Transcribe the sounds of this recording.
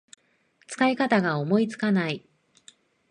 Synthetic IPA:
t͡sɨ̥kaikat̪aɡao̞mo̞it͡sɨ̥kanai

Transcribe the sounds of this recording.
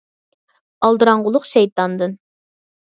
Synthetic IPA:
ɑlˠd̪ɨɾɑɴʁʊlˠʊqʃɛjt̪ɑnd̪ɨn

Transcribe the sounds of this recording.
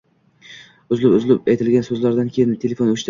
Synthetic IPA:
ʊzlɪpʊzlɪpajt̪ʰɪlɡʲansɵzlaɾd̪ankʲʰejɪnt̪ʰe̞lʲefo̞nʊʃt̪

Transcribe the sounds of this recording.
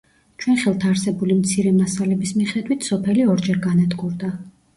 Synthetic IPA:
t͡ʃʰwɛnχɛlˠt̪ʰaːɾsɛbulimt̪sʰiɾɛmasalɛbismiχɛd̪wit̪ʰsɔpʰɛliɔɾd͡ʒɛɾɡanad̪ɡuɾd̪a

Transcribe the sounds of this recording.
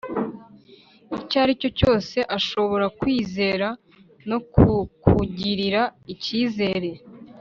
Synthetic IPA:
icaːɾico̞co̞ːse̞ʔaʃo̞βo̞ɾakwiːze̞ːɾa | no̞kukʰuɟiɾiɾaiciːze̞ːɾe̞

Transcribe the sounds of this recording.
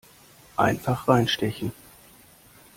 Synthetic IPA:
ʔa̰ɪnfaχʁaɪnʃtɛçn̩

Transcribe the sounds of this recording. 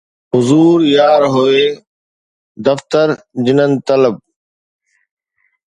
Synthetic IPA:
ɦʊzuːɾjaːɾɦoeː | d̪ɐft̪əɾ | d͡ʑɪnənɪ̆t̪ɐləb̚

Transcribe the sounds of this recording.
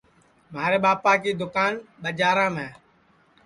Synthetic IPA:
maːɾeːɓaːpaːkiːd̪ʊkaːnɓəd͡ʒaːɾãːmẽː

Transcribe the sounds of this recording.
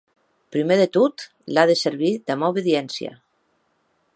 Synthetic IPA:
pɾimeðet̪ut̪ | laðeseɾβid̪amawβeðjɛnsja̰

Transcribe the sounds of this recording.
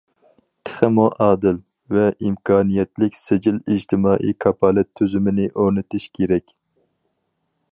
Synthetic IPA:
t̪ʰɪ̥χəmoʔɑːd̪ɪl | vɛʔimkʰɑːnijɛt̪lɪkʲsɪd͡ʒɪlid͡ʒt̪ʰɪmɑːʔikʰɑpʰɑlɛt̪ʰːyzymɪnɪʔoɾnɨt̪ʰɪʃkʲʰeɾɛkʲ

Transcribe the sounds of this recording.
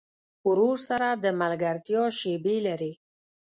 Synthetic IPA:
ʊɾoɾsaɾad̪əmalɡaɾt̪jɑʃebelaɾi

